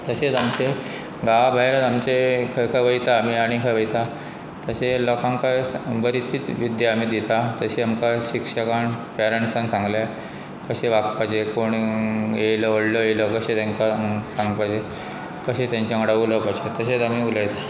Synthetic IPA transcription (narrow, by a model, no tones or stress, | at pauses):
t̪əset͡samt͡ɕe | ɡaʋabʱajɾat̪amt͡ɕekʰakʰaʋəjt̪aːm̤iaɽ̃ikʰajʋəjt̪a | t̪əselɔkãŋkajbəɾit̪ʰiːt͡sʋid̪jaam̤iːd̪it̪at̪əɕeamkaɕikʂəkaɳpɛɾəɳsãnsãŋɡlja | kəɕeʋakpad͡ʑekoɳjejləoɽləjejləkəɕet̪ãŋkasãŋɡpad͡ʑe | kəɕet̪jãɲt͡ɕjaŋəɽauləpaɕet̪əset͡samiuləjt̪e̥